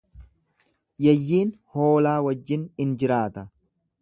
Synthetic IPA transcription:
jɛjːiːnho̞ːlaːwɐd͡ʒːɪnɪnd͡ʒɪɾaːt̪ɐ

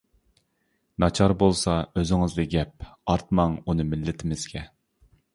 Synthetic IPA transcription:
nɑt͡ʃʰɑɾbolˠsɑøzɪŋɨzd̪ɨɡʲɛp̚ɑɾt̪̚mɑŋunɨmɪlːɪt̪ʰɪmɪz̥ɡʲɛ

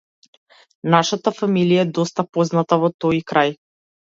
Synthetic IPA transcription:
naʃat̪afamilijaɛd̪ɔst̪apɔznat̪avɔt̪ɔjkɾaj

